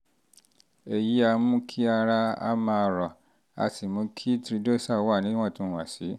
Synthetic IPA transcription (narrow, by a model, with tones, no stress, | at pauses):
e˨ji˨˦a˧mũ˦kʰi˦a˧ɾa˧a̰˦mã˧˨ɾɔ˨ | a̰˧si˨mũ˨˦kʰi˦tɾi˧do˦˨sa˦˨wa˦˨nĩ˨˦w̃ɔ̃˦˨tũ˨˦˨w̃a˨si˨˦